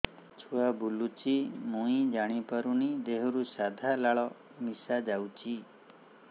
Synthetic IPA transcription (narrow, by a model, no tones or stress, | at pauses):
t͡ʃʰuabulut͡ʃimũĩd͡ʒaɽ̃ipɔɾunid̪eɦɔɾusad̪ʱalaɭɔ | misad͡ʒawt͡ʃʰi